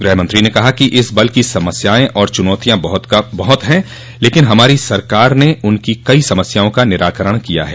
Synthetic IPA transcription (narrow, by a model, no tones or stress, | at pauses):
ɡɾɛɦmə̃nt̪ɾinekɐɦakiʔɪsbɐlkisɐməsjaːẽʔɔːɾt͡ʃʊnɔːt̪ijãbɐɦt̪bɐɦʊt̪ɦɛ̃ | leːkɪnɦɐmaːɾisɐɾkaːɾneʔʊnkikɐisɐməsjaːõkanɪɾaːkəɾəɽ̃kija̰ɦɛ̰ː